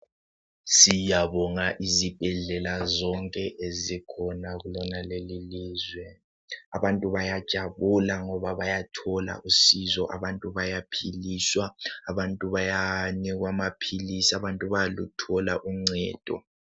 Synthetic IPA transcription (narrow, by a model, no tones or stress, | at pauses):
sijaβɔŋaʔizib̥ʱɛɮɛlazɔŋkʼɛʔezikʰɔnaɣulɔnaleliliːzwɛ | aβantʼuβajad̥ʒ̥ʱaβulaŋɔβaβajatʰɔla̰ʔusizɔʔa̰βantʼuβajapʰiliːswaːβantʼuβajaniɣwamapʰilisiaβantʼuβajlutʰɔlaʔuŋ͡ǀɛ̰ːd̥ʱɔ̰